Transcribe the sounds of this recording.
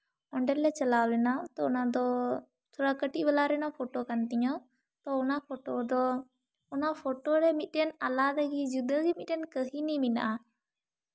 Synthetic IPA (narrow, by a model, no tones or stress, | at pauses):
ɔɳɖɛllɛt͡ʃəlawlɛnawt̪ɔːnad̪ɔ | t̪ʰoɽakəʈiʔbɛlaɾɛnapʰoʈokant̪iɲɔ | t̪ɔʊnapʰoʈod̪ɔ | ɔnapʰoʈoɾɛmit̪̚ˀʈɛnalad̪aɡid͡ʒud̪əɡɛmit̪̚ɗɛnkəɦinimina̰ʔa